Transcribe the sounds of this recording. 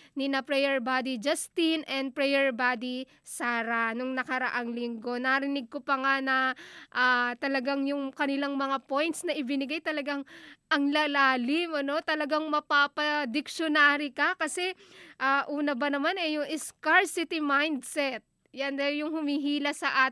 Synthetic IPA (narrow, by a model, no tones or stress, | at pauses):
nɪnɐpɾɛjɛɹbaːd̪id͡ʒɐst̪inʔɛnd̪̚pɹɛjɛɹbaːd̪i | saːɾɐnʊŋnɐkɐɾɐ̰ʔaŋlɪŋɡo̞nɐɾɪnɪɡ̚kopɐŋanɐʔat̪ɐlɐɡaŋjʊŋkɐnɪlaŋmɐŋapo̞jnt̪snɐʔɪbɪnɪɡajt̪ɐlɐɡaŋʔɐŋlalaːlɪmɐno̞t̪ɐlɐɡaŋmɐpapɐd̪ɪkʃjonaːɾɪkɐkɐsɛ | ʔaːʔuːnɐbɐnɐmanɛjʊŋʔɪskaɹsɪt̪ɪmajnd̪sɛt̪̚ | jand̪ɐjʊŋhʊmiɦiːlɐsɐʔaː